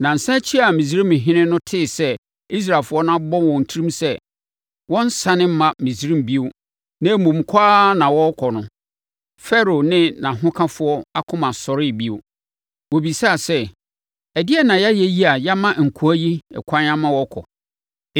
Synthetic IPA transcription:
nã˨n̩˨sã˦t͡ɕʰi˦a˨mĩ˨z̬i˦ɾĩ˦mɪ̃˨ɦɪ̃˦nɪ̃˦nʊ̃˦tʰɪ˦˨sɛ˦ | i˦s̬ɾa˨lfʊ˦ɔ˦nã˦bɔ˦wɔ̃˨n̩˨tʰi˦ɾĩ˦msɛ˦ | wɔ̃˦n̩˦sã˦nɪ̃˦m̩˦mã˦mĩ˨sɾĩ˦m˨bi˦ʊ˦ | nã˦mũ˨m̩˨kʰaː˦nã˨wɔ˦kʰɔ˨nʊ̃˨ | fɛ˦ɾo˨nɪ̃˦nã˨ɦʊ̃˦kʰã˦fʊ˦ɔ˦a˦kʰʊ̃˦mã˨sɔ˨ɾɪ˦˨bi˦o˦ | wo˨bi˨sa˦˨sɛ˦ | ɛ˨dɪ˦ɛ˦˨nã˨ja˦jɛ˦ji˦a˨ja˦mã˦ŋ̩˨kʰu˨æ˦ji˦ɛ̰˨kʰʷã˦ɲ˦ã˦mã˦wɔ˦kʰɔ̰˨

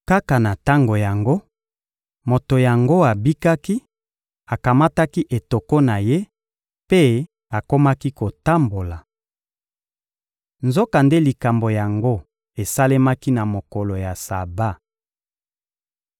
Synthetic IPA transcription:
ka˦ka˨na˨ta˦ŋɡo˨ja˨ŋɡo˦ | mo˨to˨ja˨ŋɡo˦a˨bi˦ka˦ki˦ | a˨ka˨ma˦ta˦ki˦ʔe˨to˨ko˦na˨je˦ | pe˦ | a˨ko˦ma˦ki˦ko˨ta˦mbo˨la˨ | nzo˦ka˨nde˦li˨ka˨mbo˨ja˨ŋɡo˦ | e˨sa˦le˦ma˦ki˦na˨mo˨ko˨lo˨ja˨sa˨ba˦˨

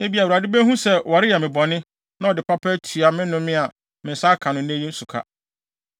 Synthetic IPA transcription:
ne˦bi˨a˨wa˨dɪ˦bɛ˦ɦũ˦sɛ˦wɔ˨ɾɪ˦jɛ˨mɪ̃˨bɔ˨nɪ̃˦ | nã˦ɔ˨dɪ˨pʰa˦pʰɛ˦tʰu˨a˨mɪ̃˦nʊ̃˦mɪ̃˦a˨ | mɪ̃˨sa˦kʰã˨nʊ̃˨n˦ẽ˦jĩ˦n̩˦su˨kʰa̰˦˨

